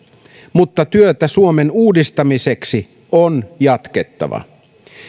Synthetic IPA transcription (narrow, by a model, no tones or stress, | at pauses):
mut̪ːɑt̪yøt̪æsuomenuːdist̪ɑmise̞ksi | onjɑt̪ke̞t̪ːɑ̰ʋɑ̰